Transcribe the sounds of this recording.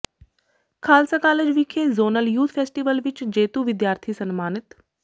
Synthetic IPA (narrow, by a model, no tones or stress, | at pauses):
kʰaːlsakaːled͡ʒʋikʰːezoːnəljuːt̪ʰpʰeːsʈiʋəlʋɪt͡ʃd͡ʒeːt̪uʋɪd̪jaːɾt̪ʰisənmaːnɪt̪